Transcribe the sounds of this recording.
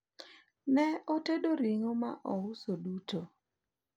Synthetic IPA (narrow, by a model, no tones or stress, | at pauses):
nɛɔtedoɾiŋoma̰ʔɔʊsoduto